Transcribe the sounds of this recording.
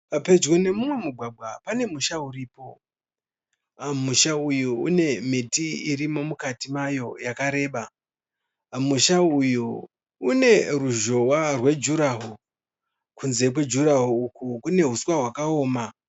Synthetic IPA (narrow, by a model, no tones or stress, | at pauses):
pape̞d͡ʒwone̞mumwe̞muɡʱwaɡʱwapane̞muʃauriːpo̞ | muʃaujuṵne̞mitiirimo̞mukatimajo̞jakaɾe̞ːɓa | muʃaujuː | ne̞ruʒo̞warwe̞d͡ʒuɾaɦu | kunze̞k̬we̞d͡ʒuɾaɦuːkukune̞ɦuswaɦwakao̞ːma